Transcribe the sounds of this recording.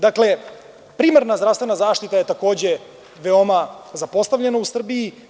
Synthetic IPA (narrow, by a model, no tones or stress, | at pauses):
d̪akle̞ | pɾiːmaɾnazd̪ɾavst̪ve̞nazaːʃt̪it̪aje̞t̪ako̞ːd͡ʑe̞ | ʋeo̞mazapo̞st̪avʎenausr̩bii